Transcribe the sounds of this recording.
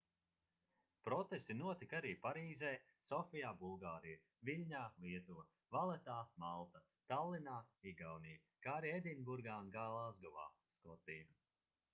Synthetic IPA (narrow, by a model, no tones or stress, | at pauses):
pɾɔt̪est̪inuɔt̪ikaɾiːpaɾiːzɛː | sɔfijaːbulˠɡaːɾij | vilʲɲaːliɛt̪u | valˠɛt̪aːmalˠt̪a | t̪alˠːinaːiɡawnij | kaːɾiɛd̪inʲbuɾɡaːunɡaːlˠazɡɔva̰ːskɔt̪iːm